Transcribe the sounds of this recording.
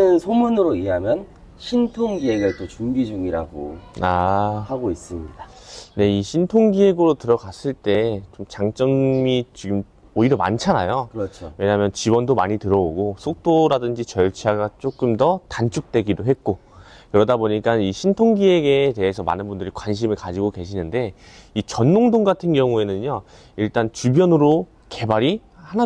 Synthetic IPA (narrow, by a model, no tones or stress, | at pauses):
ɯnsʰomunɯɾoieɦamjʌn | ɕʰintʰoŋɡiɦeɡɯɭt͈ot͡ɕuŋɡid͡ʑuŋiɾa̰ɡo̰ahaɡois͈ɯmɲidane̞iɕʰintʰoŋɡiɦe̞ɡɯɾotɯɾʌɡas͈ɯɭt͈e̞t͡ɕomt͡ɕaŋt͡ɕ͈ʌŋmit͡ɕiɡɯm | oiɾjʌma̰nt͡ɕʰanajokɯɾʌt͡ɕʰowe̞ɲaɦamjʌnt͡ɕibʌndomaɲitɯɾʌoɡosʰok̚t͈oɾadɯnd͡ʑit͡ɕʌɭt͡ɕʰaɡat͡ɕ͈ok͈ɯmdʌtant͡ɕʰuk̚t͈we̞ɡidoɦe̞t̚k͈o | kɯɾʌdaboɲik͈aniɕʰintʰoŋɡiɦe̞ɡe̞te̞ɦesʰʌma̰nɯnbundɯɾikwanɕ̬ʰimɯɭkad͡ʑiɡoke̞ɕʰinɯnde̞it͡ɕʌnːoŋdoŋɡatʰɯnɡjʌŋue̞nɯnjo | iɭt͈ant͡ɕubjʌnɯɾo | ke̞baɾi | hana